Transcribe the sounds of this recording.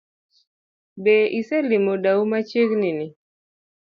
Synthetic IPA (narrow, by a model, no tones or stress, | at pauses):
beʔisɛlɪmodaumat͡ʃeknɪnɪ